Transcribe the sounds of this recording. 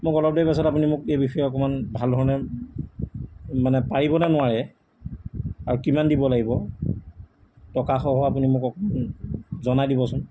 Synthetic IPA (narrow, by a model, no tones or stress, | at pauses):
mʊkɔlɔb̚dɔjpas̬ɔtapunimʊkejbixɔjɔɔkɔmanbʱaldʱɔɹnɛ | manɛpaɹibɔnɛnʊaɹɛ | aɹukimandibɔlaɡibɔ | tɔkaxɔɦɔapunimʊkɔkɔmanzɔnajdibɔsʊn